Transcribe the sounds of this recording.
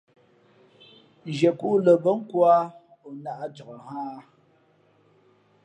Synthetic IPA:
d͡ʒe˨ku˦ʔlə˨bə˦ŋ̩˦kwa˦ | o˨na˦ʔa˦d͡ʒɔ˨kə˨haː˦˨˦

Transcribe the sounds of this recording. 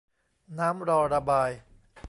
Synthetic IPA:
naː˦˥mɾɔː˧ɾa˧baː˧j

